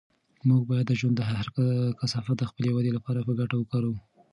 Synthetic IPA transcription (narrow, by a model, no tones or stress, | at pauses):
muɡ̚bɑjad̪ːəʒwand̪əɦaaɾkasɑfat̪̚d̪əxpəlewad̪elapɑɾapəɡaʈawəkɑɾa